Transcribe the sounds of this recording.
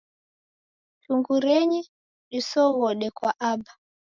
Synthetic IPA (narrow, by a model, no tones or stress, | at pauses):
tuŋɡuɾɛɲɛ | ɗisɔɣɔɗɛkwaʔaba